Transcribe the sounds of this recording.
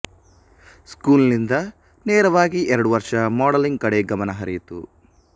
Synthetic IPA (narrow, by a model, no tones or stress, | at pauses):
skuːlnind̪ɐ | neːɾɐʋaːɡiʔɛɾɐɽuʋɐɾʂɐmaːɽɐliŋɡ̚kɐɽeɡɐmɐnɐɦɐɾḭjt̪ṵ